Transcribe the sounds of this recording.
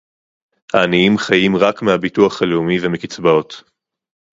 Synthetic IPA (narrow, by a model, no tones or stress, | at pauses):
haːniimχajimʁakmehabituaχhaleumivemekit͡sbao̞t